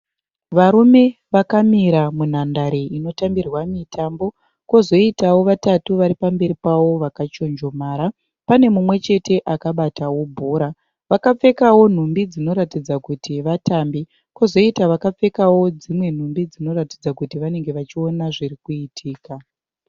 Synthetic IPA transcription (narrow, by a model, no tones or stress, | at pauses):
ʋaɾume̞ʋakamiɾamun̤andaɾeʔino̞tambirwamitʰambo̞ | ko̞zo̞itawo̞ʋatatuʋaɾipambe̞ɾipawo̞ʋakat͡ʃo̞nd͡ʒo̞maːɾa | pane̞mumwe̞t͡ʃe̞te̞ʔakaɓatawo̞bʱuːɾa | ʋakap͡fe̞kawo̞n̤umbid͡zino̞ɾatid͡zakutʰiʋatambi | kozo̞itaʋakap͡fe̞kawo̞d͡zimwe̞n̤umbid͡zino̞rati̥d͡zakutiʋane̞ŋɡe̞ʋat͡ʃionaʐirikuitʰiːka